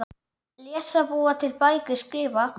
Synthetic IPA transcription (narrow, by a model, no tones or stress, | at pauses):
ljɛːsaboːat̪ʰɪlpajkɪskɾɪːva